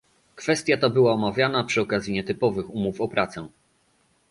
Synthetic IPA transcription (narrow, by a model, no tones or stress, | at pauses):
kfɛst̪ʲjat̪abɘwaɔmavʲjanapʂɘɔkazʲjiɲɛt̪ɘpɔvɘxumufɔpɾʔat̪sɛ